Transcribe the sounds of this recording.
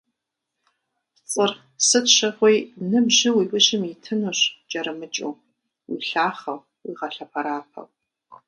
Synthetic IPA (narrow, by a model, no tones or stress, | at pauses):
t͡sʼɨr | sɨtʃɐʁʷojnɨbʑɪwiːpʷʼʊɕɪmitʰɨnuɕt͡ʃʼɐɾɨmɨt͡ʃʼo̰ː | wḭːɬaːχɐw | wḭːʁɐɬɐpʰɐɾaːpʰɐ̰w